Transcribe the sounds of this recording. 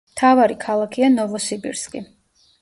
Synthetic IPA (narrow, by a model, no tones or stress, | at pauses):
mt̪ʰavaɾikʰalˠakʰianɔvɔsibḭɾskʼḭ